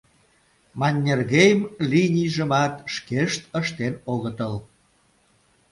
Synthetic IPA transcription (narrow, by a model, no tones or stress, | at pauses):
mɑnʲːerɣejmlinʲijʒəmɑt̪ʃkeʃt̪əʃt̪enoɣət̪əl